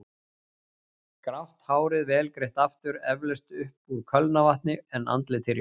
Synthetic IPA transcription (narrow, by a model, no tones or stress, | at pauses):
kɾawht̪haːwɾɪðvɛːlkɾeht̪aft̪ʏɾɛvlɛst̪ʏhpuɾkʰœlnavaht̪̚nɪɛna̰nt̪lɪt̪ʰɪɾj